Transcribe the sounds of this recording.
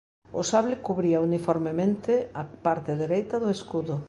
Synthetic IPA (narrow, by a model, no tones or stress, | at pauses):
ʊ̰saβlɪkuβɾiaunifoɾmemẽnt̪ɪapaɾt̪ɪðeɾejt̪ɐðʊeskuðʊ